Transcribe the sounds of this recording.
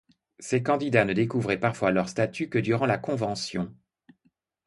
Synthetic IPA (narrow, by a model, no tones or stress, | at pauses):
sekɑ̃d̪id̪anəd̪ekuvʁɛpaʁfwalœʁst̪at̪ykəd̪yʁɑ̃lakɔ̃vɑ̃sjɔ̃